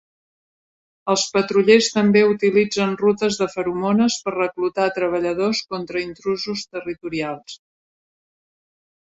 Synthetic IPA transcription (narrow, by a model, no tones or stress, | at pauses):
əlˠspət̪ɾuʎest̪əmbeut̪ilid͡zənrut̪əzðəfəɾumonəspərrəklut̪at̪ɾəβ̞əʎəð̞oskɔnt̪ɾəint̪ɾuzust̪ərit̪uɾialˠs